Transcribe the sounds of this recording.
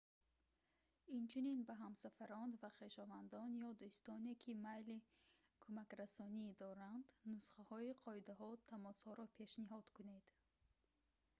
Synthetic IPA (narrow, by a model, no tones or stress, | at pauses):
int͡ʃʰuninbaɦamsafaɾɔnd̪vaχe̞ʃɔvand̪ɔnjɔd̪ust̪ɔne̞kʰimajli | kʰumakɾasɔnid̪ɔɾand̪nusχahɔiqʰɔid̪aɦɔt̪ʰamɔshɔɾɔpʰe̞ʃniɦɔd̪̥kʰune̞d̪̥